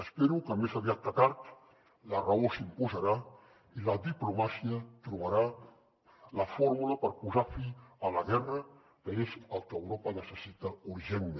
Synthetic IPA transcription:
əspeɾukəmezaβiat̪ːakaɾt̪ | ləraosimpuzəɾa | iləd̪iplumasiət̪ɾuβaɾa | ləfoɾmuləpəɾpuzafiələɣɛrə | kəezəlˠkəwɾɔpənəsəsit̪əuɾʒenme

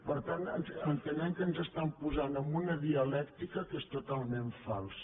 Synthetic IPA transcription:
pəɾt̪anənənt̪ənɛmkənzəst̪ampuzanəmbunəðiəlɛkt̪ikəkest̪ut̪alˠmeɱfa̰lˠs

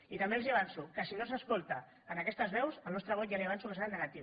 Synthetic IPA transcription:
it̪əmbelˠziaβ̞ansukəsinosəskolˠt̪əː | nəkɛst̪əzβɛwsəlnɔst̪ɾəβɔt̪jaliaβansukəseɾannəɣat̪iβ

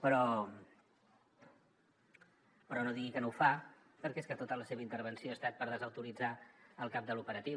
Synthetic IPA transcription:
pɾɔ | pəɾɔnoðiɣikənowfa | pəɾkɛeskət̪ot̪ələseβəint̪əɾβ̞ənsioəst̪at̪̚pəɾðəzəwt̪uɾid͡zaəlˠkap̚d̪əlupəɾət̪i

